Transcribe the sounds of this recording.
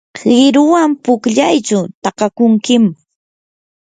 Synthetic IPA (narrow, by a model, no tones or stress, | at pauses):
ɢɪɾʊwampʊkʎajt͡ʃʊt̪ɑqɑkʊŋkɪm